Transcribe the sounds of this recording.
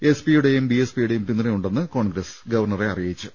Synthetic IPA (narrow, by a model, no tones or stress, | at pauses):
espijuɽe̞jumbiespijuɽe̞jumpinːɐɾejuɳɖenːɨko̞ːɳɡɾɐsɡɐʋɐrɳɐreɐrijɐjit͡ɕːɨ